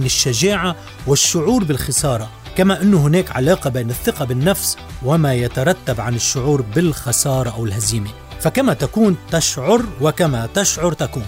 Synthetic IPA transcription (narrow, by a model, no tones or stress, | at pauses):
nɪʃːaʒaːʕa | wɪʃːʊʕuːɾbɪlxɪsɑːɾˤɑ | kamaʔɪnːʊɦɪneːkʕa̰lɑːqɑbeːnɪθːɪqɑbɪnːafswɪmajat̪aɾˤɑt̪ːabʕanɪʃːʊʕuːɾbɪlxɑsɑːɾˤɑʔawɪlhaziːme | fakamat̪akuːnt̪aʃʕʊɾwɪkamat̪ɪʃʕʊɾˤt̪akuːn